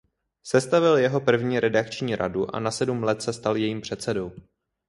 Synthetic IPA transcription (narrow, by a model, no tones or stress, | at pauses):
sɛst̪avɪljɛɦo̞pr̩vɲiːɾʔɛdakt͡ʃɲiːɾa̰duʔa̰nasɛdumlɛt̪sɛst̪aljɛjiːmpr̝̥ɛt̪sɛdo̞w